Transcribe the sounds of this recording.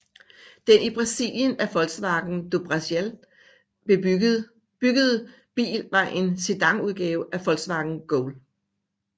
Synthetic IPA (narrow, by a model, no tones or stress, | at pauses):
d̥enib̥ʁɑ̈sḭljənæfɒ̽l̥sʋɑ̈ɡ̥n̩d̥ob̥ʁɑsel | b̥e | b̥yɡ̥əð̩ˠ | b̥ḭːlʋɑ̈ʔe̝nsed̥ɑ̈ŋuð̞ˠɡ̥ɛːʊʔæfɒ̽l̰ɡ̥sʋɑ̈ɡ̥n̩ɡ̥ɔʊl